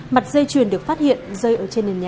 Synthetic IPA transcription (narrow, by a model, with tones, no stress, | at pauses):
ma˨˩t̚zəː˧jt͡ɕwi˨˩ənɗɨ˨˩ək̚fa˦˥t̚hḭ˧˨ənzəː˧jʔəː˧˩t͡ɕe˧nːe˨˩nɲaː˨˩